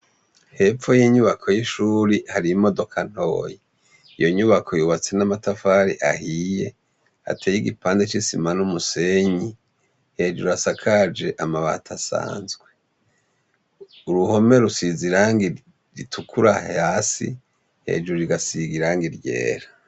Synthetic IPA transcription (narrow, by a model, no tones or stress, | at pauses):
he̞fojiːɲuβakʰo̞jiʃuːɾihaɾimo̞do̞kʰan̥ho̰ːje | ijo̞ɲuβakʰo̞juβat͡se̞namatafaɾiʔahije̞ | a̰tʰejiɡipaːndet͡ʃisimanumuseɲi | he̞ːʒuɾuasakʰad͡ʒe̞ʔamaβa̰tʰasa̰ːnzɡwe̞ | uɾuho̞me̞ɾusiziɾaːŋɡi | ɾitʰukʰuɾahaːsḭ | he̞̰ːd͡ʒuɾuɾiɡasiɡiɾaːŋɡiɾɟḛːɾa